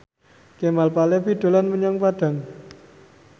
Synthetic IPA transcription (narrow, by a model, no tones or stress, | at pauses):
kemalpalefid̪̥o̤lanməɲɔŋpaɖ̥a̤ŋ